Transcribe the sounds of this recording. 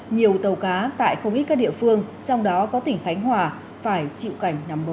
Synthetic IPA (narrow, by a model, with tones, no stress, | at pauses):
ɲi˨˩əwt̪ə˨˩wkaː˨˦t̪a̰ː˧˨jxə˧wŋ͡mʔi˦˥t̚aː˦˥ɗḭ˧˨əfɨ˧əŋt͡ɕɔ˧wŋ͡mɗɔ˨˦kɔ˨˦t̪ï˧˩ŋ̟xa˨˦jŋ̟hwaː˨˩ | faː˧˩jt͡ɕḭ˧˨wka˧˩jŋ̟na˨˦mɓə˨˦